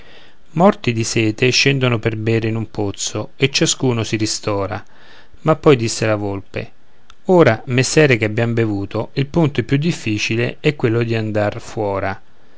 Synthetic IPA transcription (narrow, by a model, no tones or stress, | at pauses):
mɔrt̪id̪isɛːt̪eʃɛnd̪onoperbɛːɾeinumpot̪soet͡ʃːaskuːnosiɾist̪ɔːɾa̰ | mapːɔjd̪isːelavolpḛ | oːɾamesːɛːɾekeabjambevuːt̪oilpunt̪oɛpːjud̪ːifːiːt͡ʃileɛkːwelːod̪iand̪arfwɔːɾa